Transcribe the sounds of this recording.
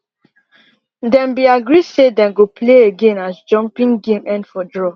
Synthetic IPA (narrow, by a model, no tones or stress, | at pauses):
dɛ̃nbiaɡɾisedɛ̃nɡopleeɡẽnasd͡ʒɔ̃mpĩŋɡẽmʔɛ̃ndfɔdɹɔ